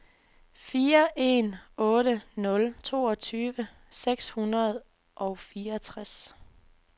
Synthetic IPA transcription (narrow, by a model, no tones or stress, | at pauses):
fiːɐʔe̝̰nɔ̽ːɾənɔ̽lt͡sʰo̝̰ːɒt͡sʰyːʋə | seɡ̥shunɐð̞ˠ | ʔɒ̽ʊfiːɐt͡sʰʁas